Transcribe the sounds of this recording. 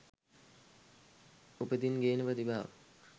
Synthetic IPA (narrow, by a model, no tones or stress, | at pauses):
upəd̪inɡeːnəprəd̪ibaːʋ̰